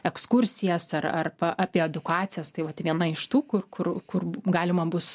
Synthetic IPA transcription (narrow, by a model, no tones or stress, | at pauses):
ɛkskʊɾʲsʲɪjɛsɐrɐ̰rpɐʔɑːpʲiɛɛd̪ʊkɑːt̪t͡ssʲɪjɛst̪ɐɪʋɐt̪ʋʲiɛnɐɪʃt̪uːkʊrkʊrkʊrɡɑːlʲɪmɐbʊs